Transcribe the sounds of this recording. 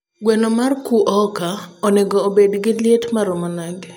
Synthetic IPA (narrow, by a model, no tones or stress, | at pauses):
ɡwɛnɔmarkuʔɔkaɔnɛɡɔːbedɡɪlɪetmaɾɔmɔnaɡ